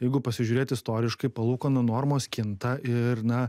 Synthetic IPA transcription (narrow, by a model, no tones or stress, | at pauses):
jɛɪɡʊpɐsʲɪʒʲuːɾʲeːt̪ɪst̪oːɾʲɪʃkɐɪpɐlˠuːkoːnɐnoːɾmoːskʲɪnt̪ɐɪɾnɐ